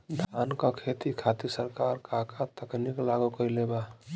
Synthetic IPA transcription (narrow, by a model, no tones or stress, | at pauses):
ɖʱankɔ̃kʰet̪ikʰat̪isəɾkaɾkakat̪əkniklaɡukəjleba